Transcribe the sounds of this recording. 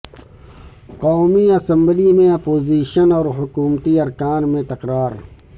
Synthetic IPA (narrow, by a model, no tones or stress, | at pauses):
qɔːmiɐsɐ̃mblimẽɐpoːziːʃənɔːɾɦʊkuːmt̪iɐɾkaːnmẽt̪ɐqɾaːɾ